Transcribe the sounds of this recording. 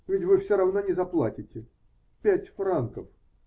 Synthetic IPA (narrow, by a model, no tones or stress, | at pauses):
vʲɪtʲvɨfsʲoɾɐvnonʲɪzɐplˠatʲɪtʲɪ | pʲætʲfrankəf